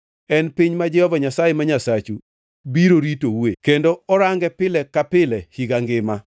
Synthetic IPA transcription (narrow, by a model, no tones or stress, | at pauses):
ɛnpiɲmad͡ʒɛhɔvaɲasajemaɲasat͡ʃu | biɾoɾitowekendoɔɾaŋɡɛpɪlɛkapɪlɛhiɡaŋɡɪma